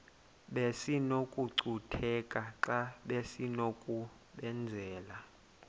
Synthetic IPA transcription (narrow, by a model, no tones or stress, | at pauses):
ɓesinokʼuǀutʰɛkʼaǁaɓesinokʼu | ɓɛnd͡zʱɛːla